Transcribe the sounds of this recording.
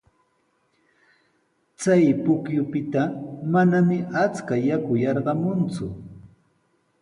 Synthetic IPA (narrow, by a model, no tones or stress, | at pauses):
t͡sajpʊkjʊpɪt̪amanamɪʔat͡skajakʊjɑɾɢɑmʊnt͡sʊ